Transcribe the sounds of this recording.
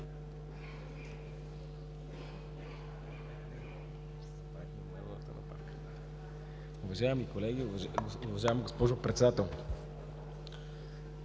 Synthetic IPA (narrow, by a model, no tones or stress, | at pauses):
svat̪ninɛ̰vo̰lˠə̰t̪ə̰nɐ̰pa̰ɾkə̥ | ʊvɐʒaɛmikolɛɡʲivʊvɐʒaɛmɡospɔʒʊpɾɛt̪sɛd̪at̪ɛlˠ